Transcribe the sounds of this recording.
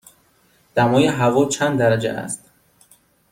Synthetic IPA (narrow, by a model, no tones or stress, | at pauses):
d̪̥æmɒːjeɦævɒːt͡ʃʰænd̪d̪æɾæd͡ʒḛʔæ̰st̪